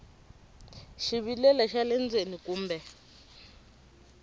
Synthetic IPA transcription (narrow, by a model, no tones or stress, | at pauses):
ʃiβilɛlaʃalɛnd͡zenikuːmbɛ